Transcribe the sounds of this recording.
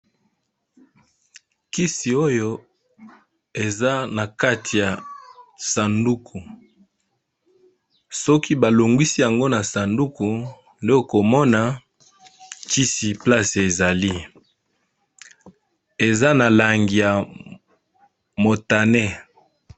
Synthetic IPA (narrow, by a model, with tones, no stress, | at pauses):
ki˦si˨o˦jo˦ | e˨za˦na˨ka˦tʰi˨ja˨ | sa˨ndu˦kʰu˨ | sɔ˦ki˦ba˨lo˨ŋɡwi˦si˦ja˨ŋɡo˦na˨sa˨ndu˦ku˨ | nde˦o˨ko˨mɔ˦na˨ | ki˦si˨pla˦se˨za˨li˦ | e˨za˦na˨la˨ŋɡi˨ja˨ | mo˨ta˨ne˦